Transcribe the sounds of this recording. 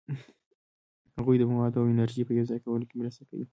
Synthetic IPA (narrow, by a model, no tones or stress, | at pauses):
haɣujd̪əmawad̪awɪnaɾʒipəjowzakawʊlokemɾast̪akawi